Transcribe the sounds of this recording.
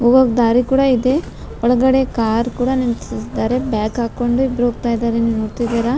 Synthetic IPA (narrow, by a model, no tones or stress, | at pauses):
oːɡoɡd̪aːɾikuːɽaid̪e̞ | ɔɭɐɡɐɽekaːɾkuːɽɐnemt͡ʃsisid̪aːɾe̞bjaːkaːko̞ɳɖuibɾuɦoɡ̚t̪aːjid̪aːɾeniʋnoːɽt̪id̪iɾa